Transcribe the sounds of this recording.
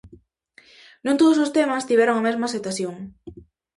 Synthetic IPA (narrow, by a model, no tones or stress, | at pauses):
nõnt̪oðosost̪emast̪iβɛɾoŋamezmaset̪aθjoŋ